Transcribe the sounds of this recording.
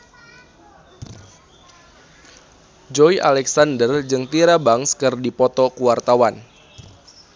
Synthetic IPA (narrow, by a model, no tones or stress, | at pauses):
d͡ʒɔjʔa̰lɛksandərd͡ʒɨŋt̪iɾabaŋskɨrdipɔt̪ɔkuwart̪awan